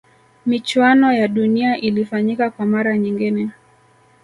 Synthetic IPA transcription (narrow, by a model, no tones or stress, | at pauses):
mit͡ʃwanɔjaɗuniaʔilifaɲikakwamaɾaɲiŋɡinɛ